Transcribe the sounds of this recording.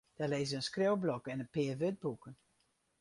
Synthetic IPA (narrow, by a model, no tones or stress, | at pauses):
d̥ɛleːzəənskrɪwblɔkɛnənpɪːrʋød̚bukən